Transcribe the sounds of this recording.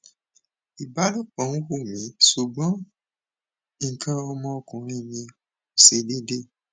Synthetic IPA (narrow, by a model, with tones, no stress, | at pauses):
i˨ba˨˦du˦˨k͡pɔ̃˨˦nũ˦wu˦˨mĩ˨˦su˨bɔ̃˨˦ | i˦˨kã˧ɔ˧mɔ̃˧ɔ˧kũ˨ɾ̃ĩ˦˨mĩ˧ | o˨se˨˦de˦de˦